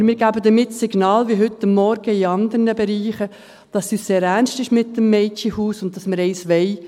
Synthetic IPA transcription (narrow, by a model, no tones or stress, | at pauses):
mɪːɾɡ̥æbəd̪əɾmɪtːsɪɡnɑːlʋiɦʏtːɑmːɔɾɡ̥əɪɑnd̪əɾnəbɛɾiːχə | d̥ɑsyːsseːɾænstɪʃmɪtːəmːɛɪt͡ʃihuːsʊnt̚dɑsməɾɛɪsʋɛɪ